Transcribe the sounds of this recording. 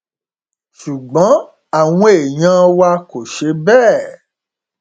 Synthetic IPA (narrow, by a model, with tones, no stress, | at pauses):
ʃu˨ɡ͡bɔ̃˨˦ | a˨w̃ɔ̃˧˦e˨ɲ̃ã˦wa˧ko˨ʃe˨˦bɛː˦˨